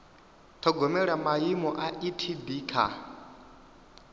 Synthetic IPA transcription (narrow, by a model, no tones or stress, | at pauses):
t̪ʰɔɡɔmɛɺamajimɔʔaʔitʰibiːkʰa̰